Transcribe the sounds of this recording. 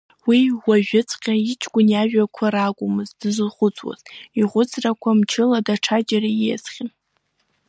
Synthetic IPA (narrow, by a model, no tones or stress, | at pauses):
wiwaʒᶣʊt͡sʼqʲʼait͡ʃʰʼɡʷʼʊnjaʒᶣakʷʰaɾakʷʼʊmɨzdɨzlχʷʊt͡sʰʼwa̰ziʁʷʊt͡sʰʼrakʷʰamt͡ʃʰɪladaʈ͡ʂʰad͡ʒaɾaiḛzχʲɪn